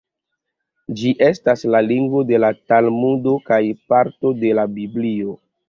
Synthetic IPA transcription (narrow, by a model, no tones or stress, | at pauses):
d͡ʒiʔe̞staslaliŋɡvo̞de̞latalmudo̞kajpaɾto̞de̞labiblio